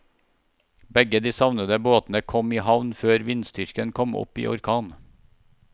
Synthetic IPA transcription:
bɛɡəd̪iːsɑʋnəd̪əboːt̪n̩əkʰɔmiːhɑʋnføːɾʋɪnst̪ʏɾkənkʰɔmɔ̰pḭːʔɔ̰ɾkʰɑːn

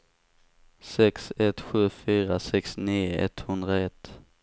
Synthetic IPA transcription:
sɛksɛt̪ɧʉ̟ːfyːɾasɛksniːɛ̰t̪hɵnd̪ɾaɛt̪ː

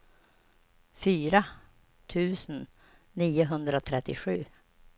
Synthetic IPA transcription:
fyːɾa | t̪ʰʉ̟ːsn | niːʊɦɵnd̪ɾot̪ʰɾɛt̪ːɪɧʉ̟̰ː

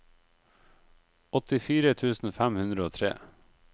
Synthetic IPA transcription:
ɔt̪ɪfiːɾət̪ʰʉːsn̩fæmhʉnd̪ɾəoːt̪ʰɾḛː

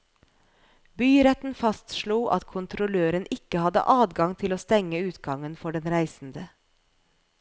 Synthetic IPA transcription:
byːɾɛt̪n̩fɑst̪ʃɭuːʔɑ̰t̪kʰʊnt̪ʰɾʊløːɾənɪkəhɑd̪ə̰ʔɑːd̪ɡɑŋt̪ʰɪloːst̪ɛŋəʉːt̪ɡɑŋənfɔɖɛnɾæɪsn̩d̪ə

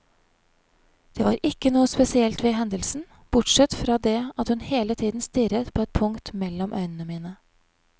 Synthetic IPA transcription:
d̪̥eːʋɑːɾʔɪkːənuːəspɛsɪɛlt̪ʋeːɦɛnd̪əlsn̩ | b̥ʊʈʂɛt̪fɾɑːd̪eːɑt̪hʉnheːlət̪ʰiːd̪n̩st̪ɪɾət̪pʰoːɛt̪̚pʰʊŋkt̪mɛlɔmʔœ̰ʏnən̩əmiːnə

